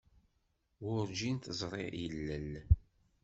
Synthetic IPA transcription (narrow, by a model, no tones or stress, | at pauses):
wʊɾd͡ʒint̪əzˤɾˤḛjəlːən